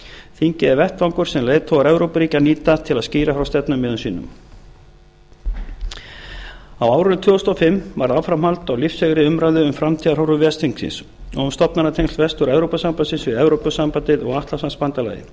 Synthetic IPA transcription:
θiɲcɪðɛɾvɛht̪vaŋkʏɾ̥sɛmleːjðt̪ʰowaɾɛvɾowpɾiːcaniːt̪at̪ʰɪlaðsciːɾafɾawst̪ɛt̪nʏmːɪːðʏnsiːnʏ̰m | awaːwɾʏnʏt̪ʰvʏːɔst̪ɔfɪmːvaɾðawfɾamhalt̪awlifshɛɣɾɪʏmɾajðʏʏmfɾamt̪ʰiːðaɾɦowɾʏvjɛst̪ʰiŋksɪ̰ns | ɔɣunst̪ɔpnaɾat̪ʰejŋkst̪vɛst̪ʏɾɛvɾowpasampasɪnsvɪðɛvɾowpʏsampant̪ɪðɔɣaht̪lasanspant̪ala̰jɪ̰

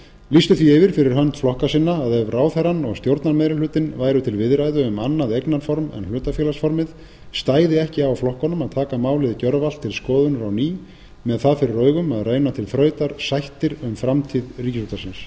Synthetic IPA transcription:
list̪ʏθiɪvɪɾ̥fɪɾɪɾ̥ɦœnt̪flɔhkasɪnːaːðɛvraːwθɛɾanɔɣst̪jowɾt̪naɾmejɾalʏːt̪ɪnvaːjɾʏt̪ʰɪlvɪðrajðʏʏmanːaðejknaɾfɔɾmɛ̰nl̥ʏːt̪afjɛːlasfɔɾmɪð | st̪aːjðɪɛhcɪawflɔhkɔnʏmaðt̪ʰaːkamaːwlɪðcœɾval̥t̪ʰːɪlskɔːðʏnʏɾawniː | mɛðθaðfɪɾɪɾrœːɥɣʏmaðreːjnat̪ʰɪlθɾœːɥt̪aɾ̥sajht̪ɪɾʏmfɾamt̪ʰiðriːcɪsuːt̪asɪns

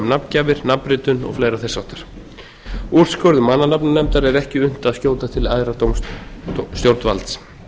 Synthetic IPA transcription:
mnapncaːvɪɾ̥napɾɪt̪ʏnɔ̰ɣflejɾaθɛ̥sːawht̪aɾ̥ | uɾ̥skœɾðʏmanːanapnanɛmt̪aɾɛɾɛhcɪʏn̥t̪aðscjoːw̪t̪at̪ʰɪlajðɾat̪owm | st̪jowɾt̪va̰lt̪s

